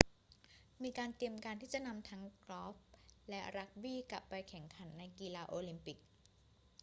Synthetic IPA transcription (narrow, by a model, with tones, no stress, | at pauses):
miː˧kaː˧nt̪i˧əmkaː˧nt̪ʰiː˥˩t͡ɕa˨˩ʔna˧mt̪ʰa˦˥ŋklɔː˦˥f̚lɛ˦˥ɾa˦˥k̚wiː˥˩kla˨˩pːa˧jkʰɛ˨˩˦ŋkʰa˩˦nːa˧jkiː˧laː˧ʔoː˧li˧mpi˨˩k̚